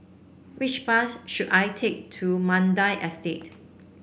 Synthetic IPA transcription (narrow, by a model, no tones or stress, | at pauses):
wit͡ʃpasʃudajtʰek̚tʰumãndaɪʔɛstet̚